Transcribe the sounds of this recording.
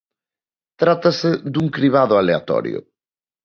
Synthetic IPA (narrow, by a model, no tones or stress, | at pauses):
t̪ɾat̪ɐsɪðuŋkɾiβaðʊalea̰t̪ɔ̰ɾjʊ̰